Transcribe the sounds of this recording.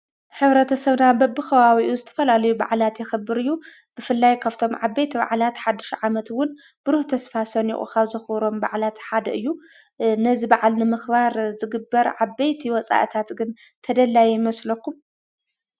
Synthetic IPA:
ħɨβɾɐt̪ʰɐsɐβnabɐbːɨxɐβawiʔuzɨt̪ʰɐ̥fɐlalɐjuba̰ʕlat̪jɛxɨbːɨɾɨjːu | b̥ɨfɨlːajkʰaβt̪ʰo̞mʕabːejt̪ʰiβa̰ʕlat̪ħad̪ːɨʃʕamɐt̪wʊn | b̥ɨɾuht̪ʰɐsfasɐnḭʔʼṵkʰaβzɐxβɾo̞mba̰ʕlat̪ħad̪ɐʔɨjːu | nɐzibaʕalnɨmɨxβaɾzɨɡɨbːɐɾʕabejt̪ʰiwɔt͡sʼa̰ʔɨt̪ʰat̪ɡɨn | t̪ʰɐd̪ɐlːajjmɐslokːum

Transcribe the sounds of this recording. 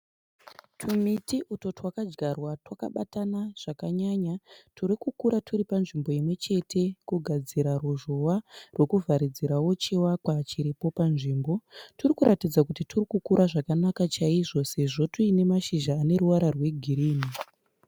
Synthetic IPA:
tʰumitiʔuto̞twakad͡ʒɡarwatwaka̰ɓatanaʐ̥akaɲaɲatʰuɾikukuɾatʰuɾipanʐimbo̞jimwe̞t͡ʃe̞tʰe̞kuɡʱad͡ziɾaruʐowarwe̞kuvʱaɾid͡ziɾawo̞t͡ʃiwakwat͡ʃiɾipo̞panʐiːmbo̞turikuɾatid͡zakutiturikukuɾʔaʐakanakat͡ʃaiʐo̞se̞ʐo̞tuine̞maʃiʒaːne̞ɾuwaɾarwe̞ɡʱiɾiːni

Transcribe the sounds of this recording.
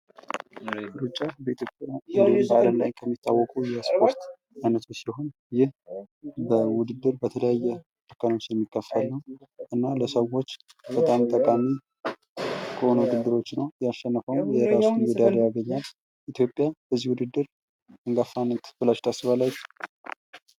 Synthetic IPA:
ɾut͡ʃʼːabəit̪ʰjo̞pʼjajmbəaləmlajkʰəmːit̪ʰːawːɔkʼujɛspʰo̞ɾt̪ | ajnət̪ʰusiho̞n | jɪh | bəwʊd̪ɨd̪ːɨɾbət̪ʰələjajːɛ | t̪ʰəkʰːənot͡ʃːnɛmːikʼːəfːalːəwʔɨnːaləsəwo̞t͡ʃː | bət̪ʼamt̪ʼəkʼami | kʼonwud̪ɨd̪ːɨɾo̞t͡ʃːnəwjaʃːənːəfəwjɛɾasunwɛd̪aɾjaɡəɲːal | ʔit̪ʰjo̞pʼːjab̥əzːihwʊd̪ɨd̪ːɨɾ | ɨŋɡafːanːət̪b̥ɨlaʃt̪ʰasːɨβalːaj

